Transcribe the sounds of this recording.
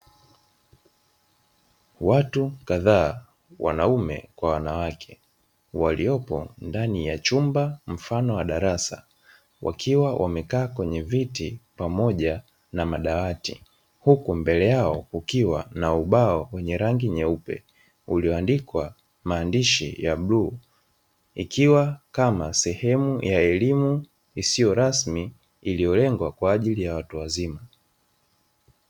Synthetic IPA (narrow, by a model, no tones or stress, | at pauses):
watukaðaː | wʔa̰naumɛ̰kwawanawakʰɛ̥ | waliɔpɔ̰ndanijat͡ʃumbam̩fanɔwaɗaɾasa̰ | wʔa̰kʰiwawʔamɛkaːkwɛɲɛvitipamɔʄa | namaɗawatḭ | hukumbɛlɛjaɔukiwa̰nauɓaɔwɛɲɛɾaŋɡiɲɛupɛ̰ | uliɔandikwa | maːndiʃḭjaɓluː | ikiwakamasɛhɛmujaɛlimu | isijɔɾasmiː | lijɔlɛŋɡwakwaːʄilijawatuwazima